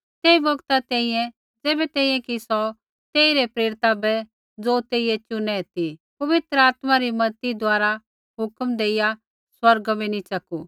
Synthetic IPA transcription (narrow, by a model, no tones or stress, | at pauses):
t̪eːibɐɡt̪at̪ɛ̃ːĩjɛ̃ | d͡zɛːbɛt̪ɛ̃ːĩjɛ̃kisɔ | t̪eːiɾepɾeːɾɪt̪abɛ | d͡zoːt̪eːijɛt͡ʃʊnɛ̃t̪ipɐʋɪt̪ɾəaːt̪maɾimɐt̪id̪oaːɾa | ɦʊkmd̪eːɪja | swɐɾɡbinit͡ʃɐku